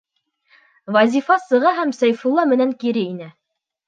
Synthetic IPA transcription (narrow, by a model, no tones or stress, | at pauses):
vɑzʲifɑsɤ̆ʁɑɦæmsæjfulˠːɑmɘ̆næŋkiɾɘinɘ